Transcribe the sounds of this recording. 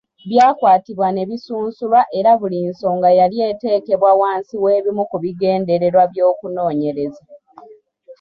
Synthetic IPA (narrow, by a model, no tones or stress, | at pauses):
βjaːkwaːtiβwane̞βisuːnsulwaʔe̞ɾaβulinso̞ːŋɡajalje̞ːte̞ːke̞βwawaːnsiwe̞ːβimukuβiɡe̞ːnde̞ɾe̞ɾwaβjo̞ːkuno̞ːɲe̞ɾe̞za